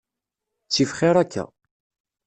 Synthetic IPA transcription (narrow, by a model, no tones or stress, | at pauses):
t͡sːifχɪɾækʰːæ̰